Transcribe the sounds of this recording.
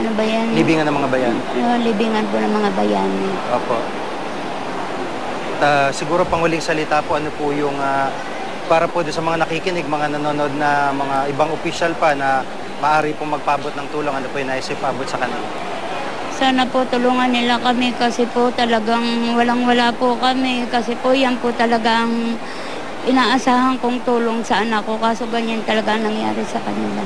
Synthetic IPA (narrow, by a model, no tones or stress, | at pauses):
ʔɐnobɐjanlɪbiːŋɐnːɐŋmɐŋabɐjanolɪbiːŋɐnponɐŋmɐŋabɐjaːnɪ | ʔoːpo̞̰ʔ | ɐt̪asɪɡuːɾo̞pɐŋʊlɪŋsɐlɪt̪apoʔɐnopʊjʊŋa | paːɾɐpod̪ʊnsɐmɐŋanɐkiːkɪnɪɡ̚mɐŋanɐnoːno̞d̪̚nɐmɐŋaʔɪbaŋopiːʃalpanɐ | mɐʔaːɾipomɐɡ̚paːbot̪̚nɐŋt̪uːlo̞ŋɐnopoʔjɛjnaːʔɪsɐpaːbot̪sɐkɐnala | saːnɐpot̪ʊluːŋɐnːɪlakɐmɪkɐsɛpot̪ɐlɐɡaŋwɐlaŋwɐlaːpokɐmɛkɐsɛpojanpot̪ɐlɐɡaʔɐŋ | ʔɪnaːʔɐsaːhɐŋkoŋt̪uːlo̞ŋsɐʔɐnakːo̞kaːsoɡɐɲant̪ɐlɐɡaŋnɐŋja̰ːɾɪsɐkɐnɪla